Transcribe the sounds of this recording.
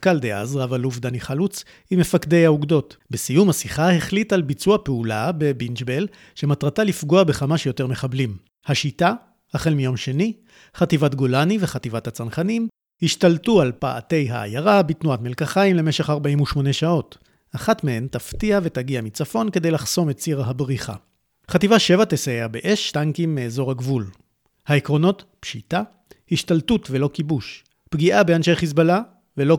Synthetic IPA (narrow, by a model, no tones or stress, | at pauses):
kald̪ea̰zʁavalufd̪aniχalut͡s | ime̞fakde̞jauɡdo̞tbesijumhasiχaheχlitalbit͡suapeulabe̞binʃbel | ʃe̞matʁatalifɡoabe̞χamaʃjo̞te̞ʁme̞χablim | haʃita | haχelmijo̞mʃe̞ni | χativatɡo̞lanive̞χativathat͡sanχanim | hiʃtaltualpaʔa̰te̞jɦa̰a̰jaʁabitnuatmelkaχaimle̞meʃeχaʁbaʔimuʃmo̞ne̞ʃao̞t | ʔaχatmehe̞ntaftiave̞taɡiamit͡safo̞nke̞dejlaχso̞me̞tt͡siʁaɦabʁiχa̰ | χativaʃe̞vateseeabeʔeʃtaŋkimːeːzo̞ʁhaɡvul | haekʁo̞no̞tpʃita | hiʃtaltutvelo̞kibuʃ | pɡiʔabeanʃejχis̬bala | velo̞